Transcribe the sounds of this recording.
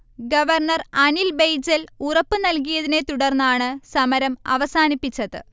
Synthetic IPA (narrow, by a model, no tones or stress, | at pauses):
ɡɐʋɐrɳɐrɐnilbejd͡ʑɐlurɐpːɨnɐlkijɐðine̞t̪uɽɐrnːaːɳɨsɐmɐɾɐmɐ̰ʋɐsaːnipːit͡ɕːɐðɨ̰